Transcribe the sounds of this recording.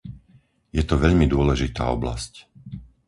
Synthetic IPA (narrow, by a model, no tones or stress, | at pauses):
jɛt̪ɔʋɛʎmid̪ʊɔlɛʒit̪a̰ːɔbla̰sc